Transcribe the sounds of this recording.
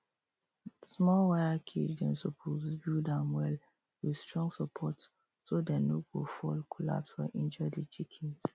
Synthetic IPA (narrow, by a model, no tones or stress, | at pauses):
smɔlwajəkʰid͡ʒdɛ̃nsɔpʰozbidãmwɛl | wistɹɔ̃ŋɡsəpʰɔt | sodɛ̃noɡofɔlkʰɔla̰pswɛʔĩnd͡ʒədit͡ʃikʰɛ̃ns